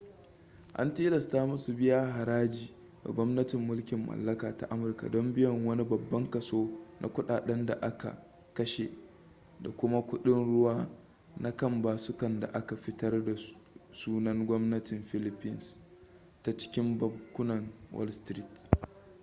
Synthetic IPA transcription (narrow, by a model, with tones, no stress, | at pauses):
ʔa̰˦nteː˦lɐ˨staː˦mʊ˦su˨bɪ˦jaː˦ɦa˨ɾaː˦d͡ʒiː˨ | da̰˨ɡʷɔ˦mnɐ˦tɪ˨mːʊ˦lkʲɪ˨mːɐ̰˨lːɐ˦kaː˨ta˦˨ʔa˦mʊ˨rka̰˨dɔ˦mbɪ˦jɔ˨ŋwɐ˦ni˦bɐ˨bːɐ˦ŋkɐ˨soː˦nʔa̰˦kʷʊ˦ɗaː˨ɗɛ˦nda̰˨ʔa˦ka̰˨ | kɐ˦ʃḛ˨ | da̰˨kʷʊ˦ma˦kʷʊ˦ɗɪ˦nɽʊ˦waː˦ | na˦kɐ˦˨mbaː˨sʊ˦kɐ˨nda̰˨ʔa˦ka˨ɸɪ˦tɐ˦rda˨suː˦nɐ˦ŋɡʷɔ˦mnɐ˦tɪ˨mɸɪ˦lɪ˦pɪ˦ns | ta˨t͡ʃɪ̥˦kʲɪ˦mbɐ˦bkʷːʊ˦nɐ˨ŋwɔ̰˦lstɾi˦t